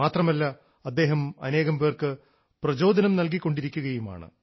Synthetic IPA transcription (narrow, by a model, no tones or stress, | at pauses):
aːt̪rɐmɐlːɐ | ɐd̪ːe̞ːɦɐmɐ̰ne̞ːɣɐmpeːrkɨ | prɐd͡ʑo̞ːd̪ʱɐnɐmnɐlk̬ikːo̞ɳɖiɾikʲːuɣɐjuma̰ːɳɨ̰